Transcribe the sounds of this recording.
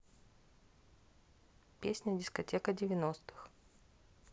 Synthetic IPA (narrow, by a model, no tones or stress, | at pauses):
pʲesʲnʲədʲɪskɐtʲekədʲɪvʲɪnost̪ɨ̥x